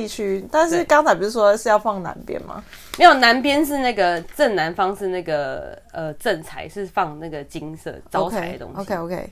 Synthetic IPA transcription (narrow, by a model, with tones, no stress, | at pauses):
i˥˧t͡ɕʰy˥t̪a˥˧nʂ̬ɻ̩˥˩˨kɑ˥ŋt͡sʰa˨˧ɪp̬u˨˩u˥˩ʂwɔ˥˧ʂɻ̩˥˧jɑ˥˧ʊfɑ˥˩ŋna̰˧˦npjɛ̰˦nma̰˨˩ | mme˧˥jo˨˩ʊna˧˥npjɛ˥nʂ̬ɻ̩˥˧na˥˩ɡə˩t͡sə˥˩nna˧˦nfɑ˥ŋʂɻ̩˥˧na˥˩ɡə˩ə˧ʈ͡ʂə˥˩nt͡sʰa˧˥ɪʂɻ̩˥˧fɑ˥˧ŋna˥˩ɡə˩t͡ɕi˦ŋsɤ̰˥˩t͡sɑ˧ʊt͡skʰea˦˧ɪə˩t̪o̰˧ŋo˧kʰe˦ɪo˧kʰe˥˧ɪ